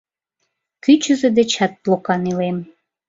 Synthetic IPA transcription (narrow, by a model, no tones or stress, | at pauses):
kyt͡ɕəzed̪et͡ɕɑt̪̚plokɑnilem